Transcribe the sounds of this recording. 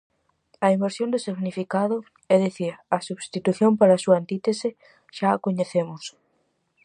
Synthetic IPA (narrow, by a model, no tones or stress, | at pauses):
ɐimbeɾsjõnd̪ʊsiɣnifikaðʊ | ɛðeθiɾɐsuβst̪it̪uθjompaɾɐsuaːnt̪it̪esɪ | ʃaːkoɲeθemʊs